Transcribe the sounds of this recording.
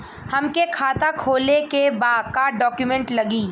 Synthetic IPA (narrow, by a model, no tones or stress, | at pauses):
hɐmkekʰaːt̪akʰoːlekebaːkaɖɔːkjumɛ̃ɳʈlɐɡiː